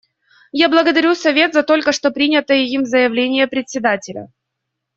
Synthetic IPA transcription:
jablˠəɡəd̪ɐɾʲusɐvʲe̞t̪zɐt̪o̞lʲkəʂt̪o̞pɾʲinʲɪt̪əjəjimzəjɪvlʲenʲɪjəpɾʲɪt̪ʲsʲɪd̪atʲɪlʲə̰

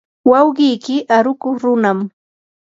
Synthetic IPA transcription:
wɑwɢɪjkɪʔaɾʊkʊχɾʊnam

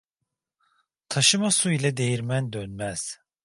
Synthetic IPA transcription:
t̪ʰaʃɯmasuilʲɛd̪e̞jiɾmænd̪ønmæz̥

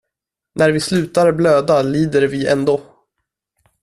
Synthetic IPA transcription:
næɾvɪslʉ̟ːt̪aɾbløːd̪aliːd̪əɾvɪɛ̰nd̪oː

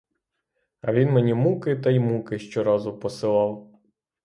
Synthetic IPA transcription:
ɐʋʲinmenʲimukɪt̪ɐimukɪʃt͡ʃɔɾɑzʊpɔsɪlˠɑw

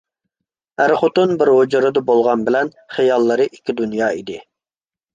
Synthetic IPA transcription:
æɾχot̪unbɪɾɦod͡ʒɨɾɨd̪ɨbolˠʁɑnbɪlɛn | χejɑlˠːɨɾɨʔikʲʰːid̪unjɑːid̪ɪ

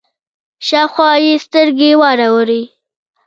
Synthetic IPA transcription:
ʃawxwɑjest̪əɾɡewɑɾawəɾi

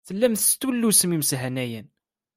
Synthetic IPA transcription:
θəlːæmθst̪wəlːusəmiməsɦænæjæn

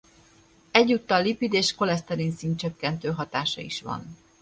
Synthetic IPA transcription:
ɛɟːut̪ːɒlːipid̪eːʃko̞lɛst̪ɛɾinsiːnt̪t͡ʃøkːɛnt̪øːɦɒt̪aːʃɒ̰ḭʃʋɒ̰n

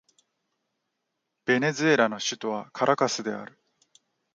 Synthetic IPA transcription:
b̥e̞ne̞zɨe̞ɾano̞ɕɨt̪o̞βakʰaɾʔakasɨd̪e̞a̰ɾɯ̟

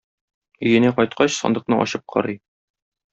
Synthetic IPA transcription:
ɵ̆jɘ̆næqɒjt̪̚qɑɕsɒ̰nd̪ɤ̆q̚nɤʔɒ̰ɕɤp̚qʰɒ̰ɾɤj

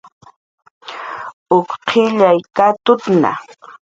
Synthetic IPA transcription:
ʊkqʰɪʎajkat̪ʊt̪na̰

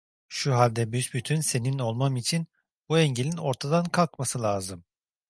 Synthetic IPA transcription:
ʃuɦalʲd̪ɛbyzbyt̪ʰynse̞nino̞lˠmamit͡ʃʰin | buɛɲɟelʲino̞ɾt̪ʰad̪ankʰalˠkmasɯlʲˠaːzɯm

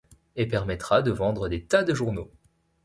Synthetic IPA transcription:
epɛʁmɛt̪χad̪əvɑ̃d̪ʁəd̪et̪ad̪əʒuʁno

